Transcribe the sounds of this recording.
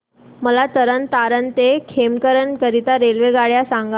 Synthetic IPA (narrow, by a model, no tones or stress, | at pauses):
məlat̪əɾənt̪aɾənt̪ekʰemkəɾənkəɾit̪aɾelʋeɡaɭjasãŋɡa